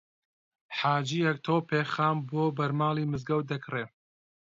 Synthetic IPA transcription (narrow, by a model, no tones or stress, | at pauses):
ħaːd͡ʒiːjɐkt̪ʰoːpeːxaːmboːbɐɾmaːlˠiːmɨzɡɐwd̪ɐkreː